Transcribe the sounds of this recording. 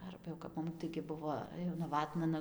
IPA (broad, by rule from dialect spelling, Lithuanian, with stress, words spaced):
ˈɐrbɐ jɛʊ kɐp ˈmʊm tɐɪɡʲɪ ˈbʊʋoː jɛʊ nɐˈʋɑːtnɐ ˈnʊ